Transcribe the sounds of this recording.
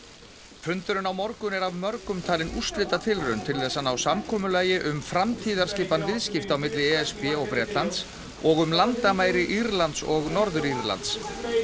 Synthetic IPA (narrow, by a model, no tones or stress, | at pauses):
fʏnt̪ʏɾʏnawmɔɾkʏnɛɾavmœɾkʏmt̪ʰaːlɪnust̪lɪːt̪at̪ʰɪlrʏnt̪ʰɪlθɛsːanawsamkʰɔːmʏlaːjɪʔʏmfɾamt̪ʰiːðaɾ̥scɪfpanvɪðscɪft̪awmɪt̪lɪɛɛspɛɔɣpɾɛːt̪lant̪s | ɔɣʏmlant̪amaːjɾɪʔiɾlant̪sɔɣnɔɾðʏɾiɾla̰nt̪s